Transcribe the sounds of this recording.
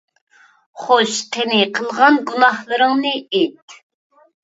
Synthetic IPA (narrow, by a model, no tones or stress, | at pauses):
χoʃt̪ʰɪnɪqʰəlˠʁɑnɡunɑhlˠəɾɨŋnɨet̪